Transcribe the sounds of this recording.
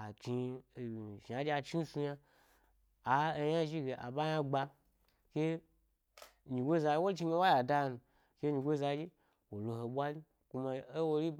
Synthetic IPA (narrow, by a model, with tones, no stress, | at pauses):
a˨t͡ʃi˧˨ | ʒa˨˦d͡ʒi˦a˧t͡ʃi˦n˦su˧ja˧ | a˨e˧ja˦ʒi˦ɡe˨ʔa̰˨ba˦jã˦ɡ͡ba˧ | ke˦ | ɲi˨ɡʷe˦za˧ji˦wo˦t͡ʃi˧ɡe˧˦wa˦ja˨da˧nu˨ | ke˦ɲi˧ɡʷe˦za˧d͡ʒi˦ | wo˨lo˧ɦo˧ɓʷa˦li˦ | ku˧ma˧e˦wo˧li˦